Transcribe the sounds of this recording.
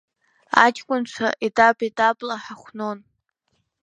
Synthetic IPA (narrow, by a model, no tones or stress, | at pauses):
a̰t͡ʃʼkʷʼʊnt͡ʃʷʰa̰ʔetʼapʼetʼapʼlaħaχʷnon